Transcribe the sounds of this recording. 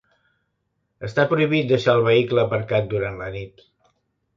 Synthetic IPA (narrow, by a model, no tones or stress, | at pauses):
əst̪apɾuiβ̞it̪̚d̪əʃaəlˠβəikləːpəɾkat̪̚d̪uɾanlənit̪